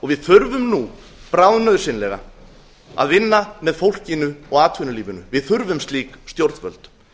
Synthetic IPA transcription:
ɔɣvɪðθʏɾvʏmnu | pɾawðnœːðʏsɪnlɛɣa̰ | a̰ðvɪnːamɛðfowl̥cɪnʏɔɣaːt̪ʰvʏnʏliːvʏnʏ̰vɪðθʏɾvʏmst̪liːkst̪jowɾt̪vœ̰lt̪

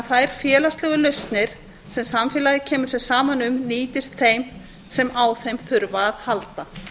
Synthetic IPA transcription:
θaðɾ̥fjɛːlast̪lɛːɣʏlœst̪nɪɾ̥ | sɛmsamfɛːlaðɪcʰɛːmʏɾ̥sɛɣsaːmanʏmniːt̪ɪst̪θejm | sɛmawθejmθʏɾvaðhalt̪a

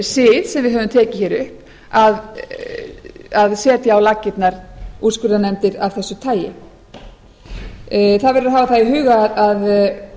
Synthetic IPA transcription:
sɪːðsɛmvɪðɦœːvʏmt̪ʰɛːcɪçɛːɾʏhp | að | aðsɛːt̪jaawlacːɪt̪naɾ̥uskʏɾðanɛmt̪ɪɾavθɛsːʏt̪ʰaːjɪ̰ | θaðvɛɾɪɾaɦaːvaθaðiɦʏːɣaðað

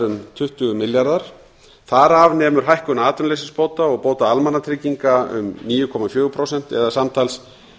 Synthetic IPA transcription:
ɾʏmt̪ʰʏht̪ʏɣʏmɪljaɾðaɾ̥ | θaɾavnɛːmʏɾ̥ɦajhkʏnaaːt̪ʰʏnlejsɪnspoːwt̪aɔɣpoːwt̪aalmanːat̪ʰɾɪciŋkaʏ̰mniːjʏkʰɔmafjœːɣʏpʰɾowsɛn̥t̪ɛ̰ðasamt̪ʰals

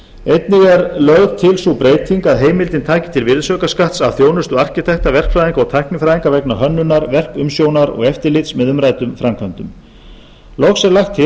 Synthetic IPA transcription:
ejt̪nɪɣɛɾlœɣɣt̪ʰɪlsupɾeːjt̪ʰiŋkaðɦeːjmɪlt̪ɪnt̪ʰaːcɪ̥t̪ʰɪlvɪɾðsœːkaskaht̪savθjoːwnʏst̪ʏɣar̥cɪt̪ʰɛht̪avɛr̥kfɾajðiŋkɔɣt̪ʰajhknɪfɾajðiŋkavɛknaɦœnːʏnːaɾvɛr̥kʏmsjownaɾɔ̰ɣɛft̪ɪɾlɪt̪smɛðʏmraːjt̪ʏmfɾamkʰœnt̪ʏm | lɔxsɛɾlaxt̪ɪ

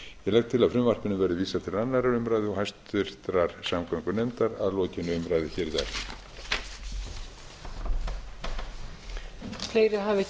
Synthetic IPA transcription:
jɛlɛɣt̪ʰɪlaðfɾʏmvar̥pɪnʏmvɛɾðɪviːsat̪ʰɪlanːaɾaʏmɾajðɪɔhajst̪ʏɾ̥t̪ɾaɾ̥samkʰœŋkʏnejmt̪aɾa̰ðlɔːcɪnːʏʏmɾajðɪçɛːɾða̰ɾ̥ | fleːjɾɪɦaːvɪ

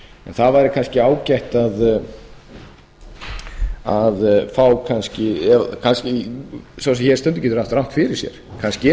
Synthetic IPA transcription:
ɛ̰nθavajɾɪkʰanscɪaːwcajht̪að | aðfaːwkʰanscɪɛkʰanscɪsasɛçɛɾ̥st̪œnt̪ʏcɛːt̪ʏɾaft̪ɾawn̥t̪fɪɾɪɾsjɛ̰ɾ̥kʰanscɪ

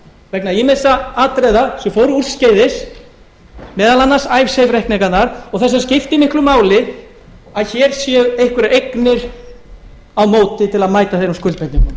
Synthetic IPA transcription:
vɛknaimɪsaaːt̪ɾejðasɛfoːwɾʏuɾ̥scejðɪs | mɛːðalanːasajvsejvɾɛhkniŋkanaɾ̥ɔɣθɛs̬ːascɪft̪ɪmɪhklʏmaːwlɪ | aðçɛɾ̥sjɛejhkvʏɾejknɪɾ̥ | awmoːwt̪ɪt̪ʰɪlaðmaːjt̪aθejɾʏmskʏlt̪pɛnt̪niŋkʏm

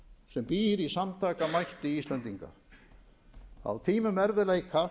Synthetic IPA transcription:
sɛmpiːɾisamt̪ʰaːkamajht̪ɪist̪lɛnt̪iŋka̰ | a̰wt̪ʰiːmʏmɛɾvɪlaikʰa

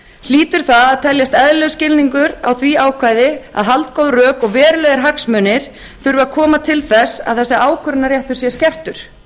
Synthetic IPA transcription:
l̥iːt̪ʏɾ̥θaðaðt̪ʰɛljast̪ɛðlœɣscɪlniŋkʏɾawθviaːwkʰvaːjðɪa̰ðɦalt̪kowðrœːkɔɣvɛːɾɪlœːɣaɾɦaksmœnɪɾ̥ | θʏɾvʏakʰɔːmat̪ʰɪlθɛsːa̰ðθɛsːaaːwkʰœɾnaɾjɛht̪ʏ̥sjɛscɛr̥t̪ʏɾ̥

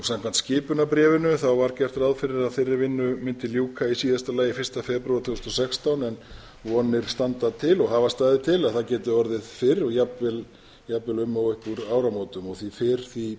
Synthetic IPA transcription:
sam̥kʰant̪scɪːpʏnapɾɛːvɪnʏθawvaɾ̥cɛr̥t̪ɾaðfɪɾɪɾaðfɪrːɪvɪnːʏmɪnt̪ɪljuːkʰaisiːðast̪alaːjɪfɪr̥st̪afɛpɾuaɾt̪ʰʏːst̪ɔsɛkst̪awnɛn | vɔːnɪɾ̥st̪ant̪at̪ʰɪlɔɣɦavast̪aːjðɪt̪ʰɪlaðθacɛːt̪ʏɔɾðɪðfɪɾɔɣjapvɪl | japvɪlʏmːawʏhkuɾaːwɾamoːt̪ʏmɔɣθifɪɾ̥θi

